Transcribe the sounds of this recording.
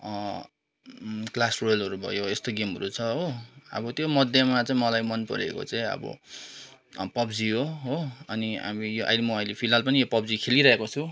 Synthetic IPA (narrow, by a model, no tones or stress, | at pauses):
klasrojlʌɾubʱʌ̰joest̪oɡimɦʌɾut͡sʰʌɦoʌ̰bʌt̪jomʌd̪ʱjʌmat͡saĩmʌlajmʌnpʌ̰ɾḛko̰t͡saĩʌ̰bʌ̰ | pʌbd͡ziɦoɦoʌniɦa̰mijoʔa̰jlemʌʌjlepʰilalpʌnijopʌb̚d͡zikʰeliɾʌekot͡sʰu